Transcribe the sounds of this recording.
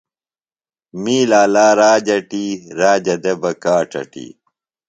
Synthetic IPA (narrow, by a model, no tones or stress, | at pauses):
miːlaːlaːɾaːd͡ʑɐʈiːɾaːd͡ʑɐd̪ebɐkaːʈɐ̰ʈḭ